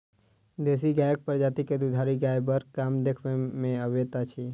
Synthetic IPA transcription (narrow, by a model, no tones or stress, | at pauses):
d̪es̬iɡajək̚pəɾd͡ʒat̪iked̪ud̪ʱaɾiɡajbəɾkamd̪ekʰʋemẽəʋet̪at͡ʃʰe